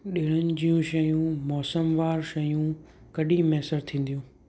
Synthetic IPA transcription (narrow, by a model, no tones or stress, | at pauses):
ɗɪːɽ̃ənɪ̆d͡ʑijũʃɐjũmɔːsəmʋaːɾʃɐjũ | kɐɗĩmɛːsəɾt̪ʰĩːn̆d̪ijũː